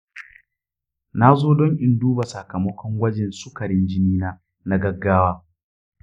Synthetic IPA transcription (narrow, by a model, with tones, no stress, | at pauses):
na˦zoː˦dɔ˦ŋʔɪ˨nduː˦ba˨sɐ˨kɐ˨mɐ˦kʷɔ˦ŋɡʷɐ˦d͡ʒɛ˨nsʊ˦kɐ˨ɽɪ˦nd͡ʒɪ˦niː˦naː˦ | na˦ɡɐ˦ɡːaː˦waː˦